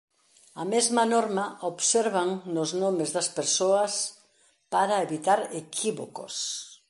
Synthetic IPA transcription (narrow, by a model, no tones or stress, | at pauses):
ɐmezmɐnoɾmɐoβseɾβaŋnʊznomezðɐspeɾsoɐs | paɾɐeβit̪aɾekʰiβoko̰s